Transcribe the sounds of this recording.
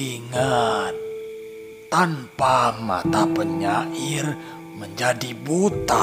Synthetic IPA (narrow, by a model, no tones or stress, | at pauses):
iŋat̪ː | ampama̰t̪apəɲaʔɪr | məɲd͡ʒadibut̪a̰